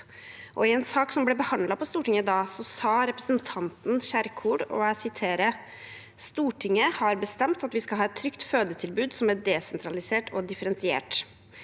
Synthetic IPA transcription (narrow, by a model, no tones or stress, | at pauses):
ʔɔɪɛnsɑːksɔmblɛbəhɑnlɑpʰɔst̪uːʈɪŋəd̪ɑːsɔsɑːɾɛpɾəsənt̪ʰɑnt̪n̩ʃæɾkʰuːɖɔ̰æsɪt̪ʰeːɾə | st̪uːʈʰɪŋːəhɑɾbəst̪ɛmt̪ɑt̪ʋɪskɑlɦɑːɛt̪ʰːɾʏkt̪føːd̪ət̪ʰɪlbʉːd̪sɔmæɖɛsɛnt̪ʰɾɑlɪseːʈʰɔd̪ɪfəɾɛnsɪḛːʈ